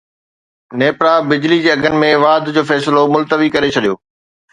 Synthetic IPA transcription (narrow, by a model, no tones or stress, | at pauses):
neːpɾãbɪd͡ʑlid͡ʑeːɐɡʱənɪ̆mẽʋaːd̪ʱd͡ʑoːfɛːsɪlomʊlt̪əʋikɐɾet͡ɕʰɐɗijo̰ː